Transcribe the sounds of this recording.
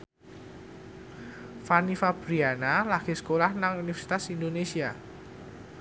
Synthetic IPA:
fanifab̥ɾianalaɡ̥isə̥kolahnaŋunifɛrsi̥t̪asind̪onesia

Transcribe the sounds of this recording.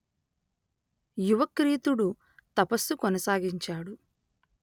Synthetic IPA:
juʋɐkɾiːt̪uɽu | t̪ɐpɐsːukɔnɐsaːɡiɲt͡ʃaːɽu

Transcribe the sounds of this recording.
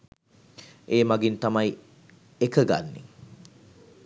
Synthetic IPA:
eːmaɡint̪amaj | ekəɡa̰nːḛ

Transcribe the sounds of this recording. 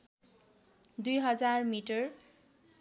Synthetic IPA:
d̪ujɦʌd͡zarmiʈʌɹ

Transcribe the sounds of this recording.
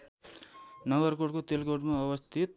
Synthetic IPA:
nʌɡʌrkoɽkot̪elɡoɽmaʌbʌst̪ʰit̪̚

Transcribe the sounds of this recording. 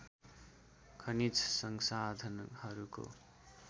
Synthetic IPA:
kʰʌnit͡ssʌŋsad̪ʱʌnhʌɾuko̰

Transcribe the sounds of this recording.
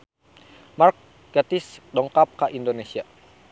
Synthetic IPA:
mark̚ | ɡat̪isdɔŋkap̚kaʔindonesia

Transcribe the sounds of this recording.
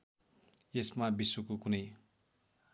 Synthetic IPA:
jesmabiswokokunʌj

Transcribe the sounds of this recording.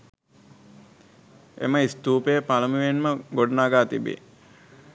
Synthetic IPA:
ḛməist̪uːpejəpaləmuʋenməɡoɖənaɡaːt̪ibḛ

